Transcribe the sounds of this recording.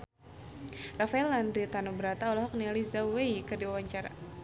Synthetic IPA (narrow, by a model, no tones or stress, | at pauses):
rafaɛlandit̪anubəɾat̪aɔlɔɦɔk̚nializaweikɨrdiwawaɲt͡ʃaɾa̰